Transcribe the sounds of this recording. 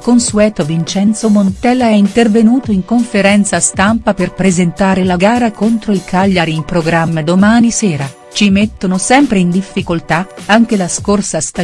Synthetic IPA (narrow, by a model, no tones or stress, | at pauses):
konsuɛːt̪ovint͡ʃɛnt̪somont̪ɛlːaɛint̪ervenuːt̪oiŋkoɱfeɾɛnt̪sast̪ampaperpɾezent̪aːɾelaɡaːɾakont̪ɾoilkʰaʎːaɾiimpɾoɡɾamːed̪omaːnisɛːɾa | t͡ʃimet̪ːonosɛmpɾeind̪ifːikolt̪aaŋk̟elaskorsast̪a